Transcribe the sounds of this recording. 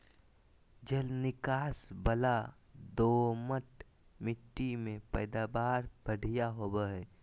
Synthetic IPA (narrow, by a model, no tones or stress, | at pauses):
d͡ʒəlnɪkaːsbəla | d̪oːməʈ | mɪʈːimẽpəɪd̪aːbaːɾbəɽ̤ʱijaɦoːbəɦɛː